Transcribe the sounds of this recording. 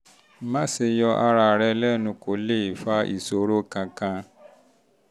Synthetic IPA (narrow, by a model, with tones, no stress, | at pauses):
mã˦se˧jɔ˧ʔa˧ɾa˧˨ɾɛ˧lɛ˦nũ˧ko˨le˦i˨fa˦ʔḭ˨so˨ɾo˦kã˧kã˧